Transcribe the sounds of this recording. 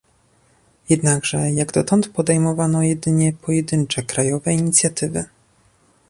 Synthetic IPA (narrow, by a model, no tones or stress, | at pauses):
jɛd̪naɡʐɛjaɡd̪ɔt̪ɔnt̪pɔd̪ɛjmɔvanɔjɛd̪ɘɲɛpʰɔjɛd̪ɘnt͡ʂɛkɾajɔvɛiɲit̪sʲjat̪ɘvɘ̰